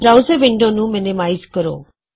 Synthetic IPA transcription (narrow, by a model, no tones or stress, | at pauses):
bɾaːʊzəɾʋɪɳɖoːnũːmɪnɪmaːizkəɾo̰ː